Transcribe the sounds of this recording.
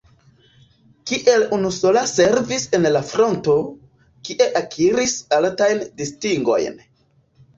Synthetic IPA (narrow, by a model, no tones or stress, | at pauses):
kiʔe̞lunuso̞lase̞ɾvise̞nlafɾo̞nto̞ | kiʔe̞ʔakʰiɾisaltajndistiŋɡo̞̰jn